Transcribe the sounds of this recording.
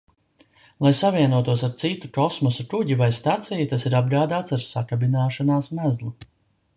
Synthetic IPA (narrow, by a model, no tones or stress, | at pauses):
lˠajsaviɛnuɔt̪uɔsaɾt̪sit̪ukɔsmɔsukuɟivajst̪at̪sɛjit̪asiɾab̚ɡɾaːd̪aːt̪saɾsakabinaːʃanaːsmæzlˠu